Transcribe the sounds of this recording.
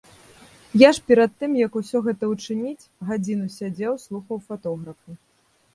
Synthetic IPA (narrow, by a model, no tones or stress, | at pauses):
jaʂpʲɛɾɐt̪ːɨmjɐkusʲɔɣɛt̪ɐut͡ʂɨnʲit͡sʲɣad͡zʲinusʲad͡zʲɛwslˠuxɐwfat̪ɔɣɾɐfu